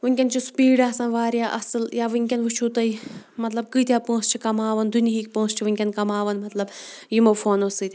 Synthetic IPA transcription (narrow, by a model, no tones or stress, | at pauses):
ʋɨŋʲkʲɐnt͡ʃʰuspiːɖaːsɐnʋaːɾjaːʔɐ̰sɨljaːʋɨŋʲkʲɐnʋɨt͡ʃʰuːt̪ɐjmɐt̪lɐb̚kɨːt̪ʲjaːpõːst͡ʃʰikɐmaːʋɐnd̪unʲiɦik̚põːst͡ʃʰiʋɨŋʲkʲɐnkɐmaːʋɐnmɐt̪lɐbjimofoːnosɨt̪ʲ